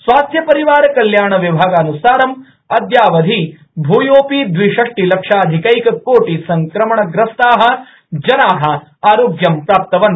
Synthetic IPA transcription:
sʋaːst̪ʰjɐpɐɾiʋaːɾɐkɐljaːɳɐʋibʱaːɡɐːnusaːɾɐm | ɐd̪jaːʋɐd̪ʱi | bʱuːjoːpid̪ʋiʂɐʂʈilɐkʂaːd̪ʱikɐikɐkoːʈisɐŋkɾɐmɐɳɐɡɾɐst̪aːɦɐ̆ | d͡ʒɐnaːɦɐ̆ | aːɾoːɡjɐmpɾaːp̚t̪ɐʋɐn

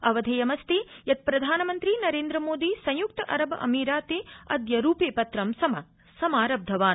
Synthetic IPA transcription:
ɐʋɐd̪ʱejɐmɐst̪ijɐt̪̚pɾɐd̪ʱaːnɐmɐnt̪ɾinɐɾeːnd̪ɾɐmoːd̪isɐ̃jjuk̚t̪ɐʔɐɾɐbʔɐ̰miːɾaːt̪eːɐ̰d̪jɐɾuːpeːpɐt̪ɾɐmsɐmɐ | sɐmaːɾɐb̚d̪ʱɐʋaːn

